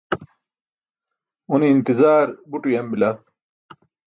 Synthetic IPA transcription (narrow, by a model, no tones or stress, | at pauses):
uniːnt̪izaːɾbuʈujɐmbilɐ